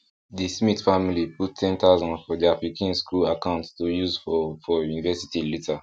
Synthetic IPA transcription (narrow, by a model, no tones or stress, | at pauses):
dismitfamiliputːʰɛ̃ntazɔ̃nfɔdiafɹikʰãnskulakãʊ̃ntstujuzffɔjunivɛsi̥tilita